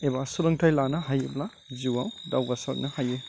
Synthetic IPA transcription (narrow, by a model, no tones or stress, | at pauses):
ebasulɐŋtʰajlanɐɦajebla | d͡ʒiwawdawɡasɐl̰ŋnɐhaje